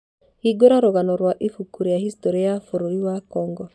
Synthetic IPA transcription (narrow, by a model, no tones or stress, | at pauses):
hiɡoɾaɾoɣanɔɾwaʔifukuɾijahistɔɾiajafoɾoiwakɔːŋɡɔ